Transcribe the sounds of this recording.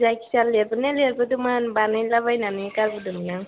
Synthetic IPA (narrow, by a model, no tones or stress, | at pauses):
zajkʰi̥salːeɾbɯneleɾbɯdumanbanajlabajnanɯkaɾbɯdumanaŋ